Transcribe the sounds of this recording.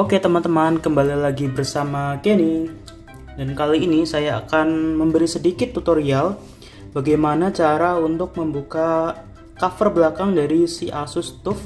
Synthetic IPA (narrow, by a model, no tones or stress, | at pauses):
oket̪əmant̪əmankəmbalilaɡibərsamakeni | dankaliːnisaja̰ːkanməmbəɾisədikɪt̪ːut̪oɾial | baɡajmanat͡ʃaɾaunt̪ʊk̚məmbuka | kafərbəlakaŋdaɾisiʔasʊst̪ʊf